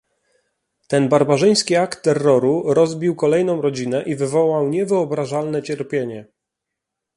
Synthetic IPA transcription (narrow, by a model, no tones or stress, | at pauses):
t̪ɛnbaɾbaʐɘj̃skʲiakt̪ːɛrːɔɾuɾɔzbʲiwkɔlɛjnɔ̃w̃ɾɔd͡ʑinɛʔivɘvɔwawɲɛvɘɔbɾaʐalnɛt͡ɕɛɾpʲjeɲɛ